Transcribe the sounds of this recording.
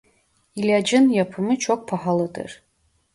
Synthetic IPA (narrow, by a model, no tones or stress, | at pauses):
ilʲad͡ʒɨnjapʰɨmɨt͡ʃʰok̚ʷpʰaħalɨdɨ̰r